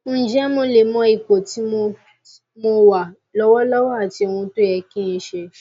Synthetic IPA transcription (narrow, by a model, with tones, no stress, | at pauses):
d͡ʒɛ˦mo˧le˨mɔ̃˧i˨ko˨ti˨˦mo˧ | mo˧wa˨ | lɔ˧wɔ˦lɔ˦wɔ˦a˨ti˧o˨wũ˧to˦jɛ˧kĩ˦ĩ˧˦ʃe˧